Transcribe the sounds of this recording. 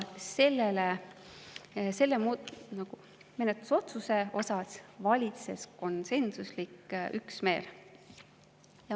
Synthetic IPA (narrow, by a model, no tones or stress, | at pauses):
se̞lːele | se̞lːemunɑɡ̥u | me̞net̪lu̥so̞t̪suse̞o̞sɑsvɑlʲit̪se̞̰sko̞nse̞nsuslikːʔyksme̞ːl | jɑ